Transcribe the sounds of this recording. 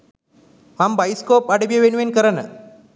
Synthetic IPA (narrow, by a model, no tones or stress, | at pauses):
mambajiskopaɽebjeʋenuʋenkəɾanə